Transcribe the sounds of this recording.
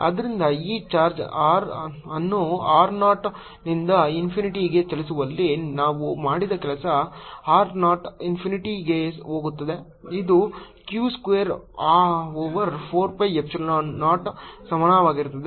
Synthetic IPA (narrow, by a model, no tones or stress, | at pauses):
ɐ̰d̪ɐɾind̪ɐiːt͡ʃaːɾd͡ʒaːɾɐnːuaːɾnaːʈ | nind̪ɐinpʰiniʈiɡe̞t͡ʃɐlis̬uʋɐlːinaːʋumaːɽid̪ɐkɛlɐsɐaːɾnaːʈinpʰiniʈiɡe̞so̞ːɡut̪ːɐd̪e̞ | id̪u | kjuːskʋejɐɾaːoːʋɐɾpʰoːɾpɐjept͡ʃɐnnaːʈsɐmɐɳaʋaːɡiɾut̪ːɐd̪e